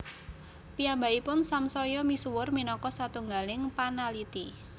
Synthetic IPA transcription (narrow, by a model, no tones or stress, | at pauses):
piambaipʊnsamsɔjɔmisuwʊrminɔkɔsat̪uŋɡalɪŋpanalit̪i